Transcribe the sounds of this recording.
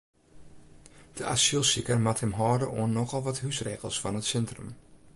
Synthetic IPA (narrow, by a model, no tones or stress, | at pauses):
d̥əʔasylˠsikərmathəmɦɔːdəʔoənːɔxɔlˠʋɔthysreːɣəlˠsfɔnətsɛntrə̰m